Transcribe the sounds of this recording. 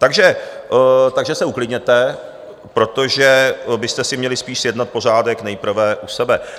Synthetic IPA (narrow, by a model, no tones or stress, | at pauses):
t̪aɡʒɛ | t̪aɡʒɛsɛuklɪdɲɛt̪ɛ | pɾo̞t̪o̞ʒɛbɪst̪ɛsɪmɲɛlɪspiːʃsjɛdnat̪̚po̞r̝aːdɛknɛjpr̩vɛʔusɛbɛ